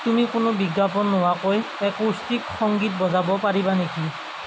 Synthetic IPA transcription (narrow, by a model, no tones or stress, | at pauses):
tumikʊnʊbiɡap̬ɔnːʊwakoj | ɛkustikxɔŋɡit̚bɔzabɔpaɹibaneki